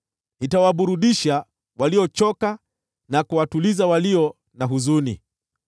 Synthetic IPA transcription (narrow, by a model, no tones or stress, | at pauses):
nitawaɓuɾuɗiʃa | waliɔt͡ʃɔka | nakuwatulizawaliɔ | naɦuzunḭ